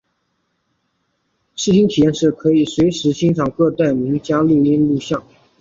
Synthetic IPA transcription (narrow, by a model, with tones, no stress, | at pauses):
ʂɻ̩˥˩ɕʰi˥ŋt̪ʰi˨˩jɛ˥˧nʂɻ̩˥˩kʰɤ˧˥i˨˩swe˧˥ɪʂɻ̩˧˥ɕi˥ŋʈ͡ʂʰɑ˨˩ŋkɤ˥˧t̪a˥˩ɪmi˧˥ŋt͡ɕja˥lu˥˩i˥nlu˥˧ɕjɑ˥˩ŋ